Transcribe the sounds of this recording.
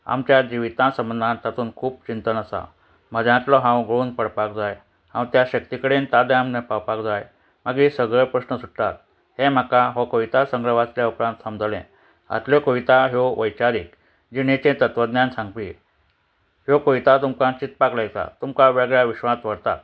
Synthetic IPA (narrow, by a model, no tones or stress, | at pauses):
a̰mt͡ɕjad͡ʑiʋit̪ãsəmənd̪ʱãt̪at̪uːnkʰuːp̚t͡ɕint̪ənəsa̰ | məd͡zãt̪lɔɦãwɡʱəɭuːnpəɽpakd͡zaj | hã̰wt̪jaɕək̚t̪ikəɽent̪ad̪eamnepawpakd͡zaj | maɡisəɡɭəpɾəsnəsuʈʈ̪at̪̚ | hem̤akaɦɔkoʋit̪asəŋɡɾəʋat͡sljaupɾãnt̪səmd͡zʱəlɛ̰̃ | a̰t̪ljɔkoʋit̪aɦjoʋəjt͡ɕaɾik | d͡ʑiɽ̃et͡ɕẽt̪ət̪ʋəd̪njãnsãŋɡpi | ɦjokoit̪at̪umkãt͡ɕit̪̚paklajt̪a̰t̪umkaʋɛɡɭjaʋiɕʋãsʋəɽt̪a̰t̪